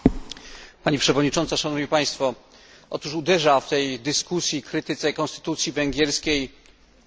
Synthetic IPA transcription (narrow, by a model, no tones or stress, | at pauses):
paɲipʂɛvɔd̪ɲit͡ʂɔnt̪saʂanɔvɲipaj̃st̪fɔ | ʔɔ̰t̪uʂud̪ɛʐaft̪ɛjd̪ɘskusʲjikɾɘt̪ɘt̪sɛkɔ̃nst̪ɘ̥t̪ut̪sʲjivɛŋɡʲjɛɾskʲej